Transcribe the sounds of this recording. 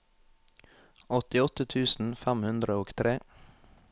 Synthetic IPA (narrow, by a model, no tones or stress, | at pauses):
ɔt̪ɪɔt̪ət̪ʰʉːsn̩fæmhʉnd̪ɾəoːɡt̪ʰɾeː